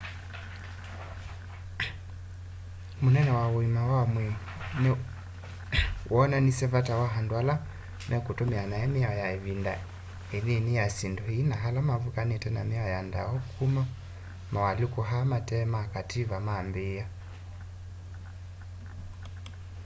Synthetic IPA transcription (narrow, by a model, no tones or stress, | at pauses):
munɛnɛwawwimawamwi | n | wʔɔnanisɛvatawaɦandwala | nʔɛkutɔmianaɛmiaɔjaiβinda | ɛninijasindɔhinaɦalamavukanitɛna̰miaɔjanda̰ɔkʰuma | mawalikuɦamatɛmakatiβamambia